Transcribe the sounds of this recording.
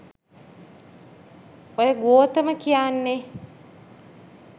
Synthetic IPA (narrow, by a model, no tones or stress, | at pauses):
ojəɡuoːt̪əməkijaːnːe